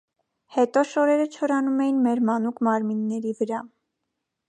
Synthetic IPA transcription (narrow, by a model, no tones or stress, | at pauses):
hɛt̪ɔʃɔɾɛɾət͡ʃʰɔɾɑnumɛjinmɛɾmɑnukmɑɾminːɛɾivəɾɑ